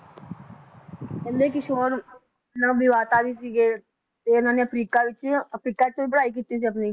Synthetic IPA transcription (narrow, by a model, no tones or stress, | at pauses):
kɛ̃ːnd̪eːkɪʃʰoːɾ | nãʋɪʋaːt̪aːɾiːs̬iːɡeː | t̪eːʊnãːneəpʰɾiːkaːʋɪt͡ʃəpʰɾiːkaːɪt̪oːbəɽaːik̬iːt̪iːs̬iːəp̬niː